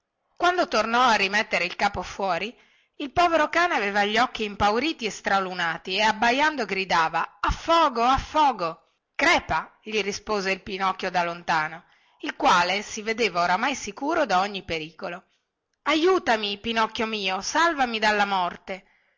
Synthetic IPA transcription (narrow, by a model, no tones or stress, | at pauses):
kwand̪ot̪ornɔarːimɛt̪ːeɾeilkaːpofwɔːɾi | ilpɔːveɾokaːneaveːvaʎːɔkːiːmpawɾiːt̪iest̪ɾalunaːt̪ieabːajand̪oɡɾid̪aːvaafːɔːɡoafːɔːɡo | kɾɛːpaʎirispoːzeilpinɔkːjod̪alont̪aːno | ilkwaːlesived̪eːvaoɾamajsikuːɾod̪aoɲːipeɾiːkolo | ajuːt̪amipinɔkːjomiːosalvamid̪alːamɔrt̪e